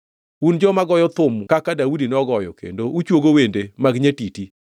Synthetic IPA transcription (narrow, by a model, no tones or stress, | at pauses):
und͡ʒɔmaɡɔjɔt̪ʊmkakadaudinɔɡɔjɔ̰kḛndout͡ʃwoɡowendemaɡɲetiti